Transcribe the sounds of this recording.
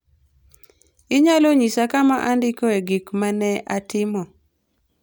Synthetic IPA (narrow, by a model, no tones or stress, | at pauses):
ɪɲaloɲisakamaʔandɪkoeɡikmanɛʔatɪmɔ